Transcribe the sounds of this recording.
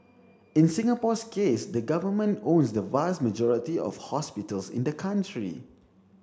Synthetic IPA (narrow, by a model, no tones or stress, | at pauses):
ɪ̃nsɪ̃ŋapɔskʰesdəɡavəmə̃nõnsdəvast̚məd͡ʒɔɹitiɔ̰fhɔspitəlsɪ̰̃ndəkʰãntɹḭ